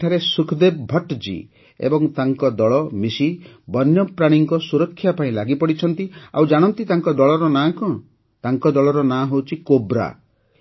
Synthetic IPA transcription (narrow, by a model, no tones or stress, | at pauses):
ʈʰaɾesukʰd̪eb̚bʱɔʈd͡ʒḭ | ḛbɔŋt̪aŋkɔd̪ɔɭɔmisi | bɔnjɔpɾaɽ̃iŋkɔsuɾɔkʰːjapaĩlaɡipɔɽit͡ʃʰɔnt̪ia̰wd͡ʒaɽ̃ɔnt̪it̪aŋkɔd̪ɔɭɔɾɔnakɔ̃ | t̪aŋkɔd̪ɔɭɔɾɔnaɦowt͡ʃʰikobɾa̰